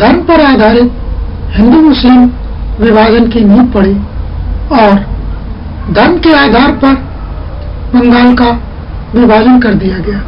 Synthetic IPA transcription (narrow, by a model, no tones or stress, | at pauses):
d̪ʱɐnpɐɾaːd̪ʱaːɾɪt̪̚ | hɪ̃nd̪umʊslɪm | ʋɪʋaːd͡ʒənkiniːpɐɽe | ɔːɾ | d̪ʱɐnkeaːd̪ʱaːɾpɐɾ | bɐ̃ŋɡaːlka | ʋɪbaːd͡ʒənkɐɾd̪ijaɡɐjaː